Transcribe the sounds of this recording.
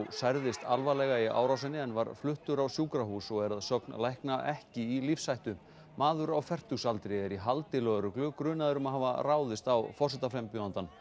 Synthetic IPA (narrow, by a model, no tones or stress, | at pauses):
sajɾðɪst̪alvalɛɣaia̰ːwɾaws̬ɪnːɪɛnvaɾflʏht̪ʏɾawsjuːkɾaɦuːsɔɣɛɾaðsœknlajhknaʔɛhcɪilifsajht̪ʏ | maːðʏɾawfɛr̥t̪uɣsalt̪ɾɪɛɾiɦalt̪ɪlœðɾʏklʏkɾʏːnaðʏɾʏmaðɦaːvaraːwðɪst̪awfɔrsɪt̪aflɛjmpjɔnt̪an